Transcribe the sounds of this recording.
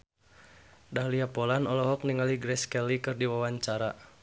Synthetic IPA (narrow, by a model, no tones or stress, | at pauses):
dahliapɔlanɔlɔɦɔk̚niŋaliɡɾɛskɛlikɨrdiwawaɲt͡ʃaɾa